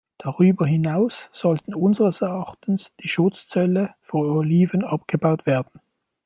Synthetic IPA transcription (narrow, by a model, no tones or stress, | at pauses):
d̥aʁyːbɐɦɪnaʊsz̥ɔltn̩ʊnzəʁəsɛɐɑχtn̩sd̥iːʃʊt͡st͡sɛləfɔnoliːvənɑpɡ̥əbaʊtv̥eːɐdn̩